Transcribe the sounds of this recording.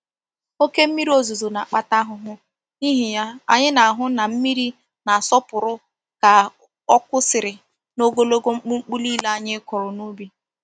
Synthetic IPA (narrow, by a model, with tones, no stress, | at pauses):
o˦ke˦m̩˦mi˦ɾi˦o˦zu˨zo˨na˨a˨k͡pa˦ta˦ɦʊ˨ɦʊ˦ | ni˦ɦi˨ja˦a̰˨ɲɪ˦na˨a˨ɦʊ˦na˨m̩˦mi˦ɾi˦ | na˨sɔ˦pʊ˨ɾʊ˦ | ka˨ | ɔ˦kʊ˦sɪ˨ɾɪ˨ | no˦ɡo˦lo˦ɡo˦ŋ͡m̩˦k͡pu˦ŋ͡m̩˦k͡pu˦li˦la˦a˦˨ɲɪ˦kɔ˨ɾʊ˨nu˦bi˦